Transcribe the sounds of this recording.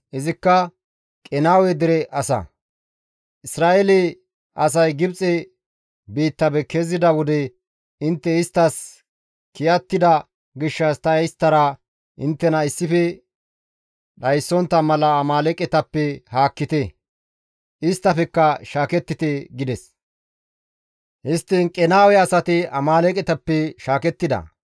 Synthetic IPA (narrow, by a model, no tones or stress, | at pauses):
ʔɪzɪkːɐ | kʼɛnaːwɛd̪ɪɾɛʔɐsɐ̰ | ʔɪsɾaːʔɛlɛ | ɐs̬ɐjɡɪbt͡sʼɛ | biːt̪ːɐbɛkɛzɪd̪ɐwɔd̪ɛ | ɪnt̪ːɛɪst̪ːɐs | kɪjɐt̪ːɪd̪ɐ | ɡɪʃːɐst̪ɐjɛjst̪ːɐɾɐ | ʔɪnt̪ːɛnɐɪsːɪfɛ | ɗɐjsːɔnt̪ːɐmɐlɐːmaːlɛkʼɛt̪ɐpːɛhaːkːɪt̪ɛ | ʔɪst̪ːɐfɛkːɐʃaːkɛt̪ːɪt̪ɛɡɪd̪ɛs | hɪst̪ːɪnkʼɛnaːwɛɐsɐt̪ɪɐmaːlɛkʼɛt̪ɐpːɛʃaːkɛt̪ːɪd̪ɐ̰